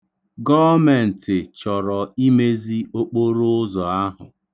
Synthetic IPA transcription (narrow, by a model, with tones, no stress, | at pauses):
ɡɔ˦me˨n̩˨tɪ˨t͡ʃɔ˨ɾɔ˨i˦me˦zi˦o˦k͡po˦ɾo˦ʊ˦zɔ˨a˦ɦʊ̰˨